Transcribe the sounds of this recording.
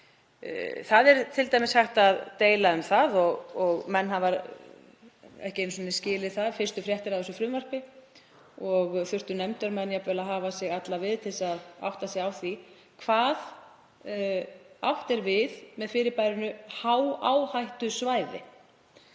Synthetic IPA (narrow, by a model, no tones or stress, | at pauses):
θaðɛɾt̪ʰɪlt̪ajmɪshaht̪aðt̪eːjlaʏmθaðɔɣɔɣmɛnːhavaɾ | ɛ̰hcɪejns̬ɔnɪscɪːlɪθaðfɪr̥st̪ʏfɾjɛht̪ɪɾawɛs̬ʏfɾʏmvar̥pɪ | ɔɣθʏr̥t̪ʏnɛmt̪œɾmɛnːjapvɛlaðɦaːvasɪɣat̪lavɪðt̪ʰɪlsaða̰wht̪asɪɣawθi | kʰv̥aːð | awht̪ɛɾvɪðmɛðfɪːɾɪɾpajɾʏnʏhawa̰ːwhajht̪ʏsvaːjðɪ̰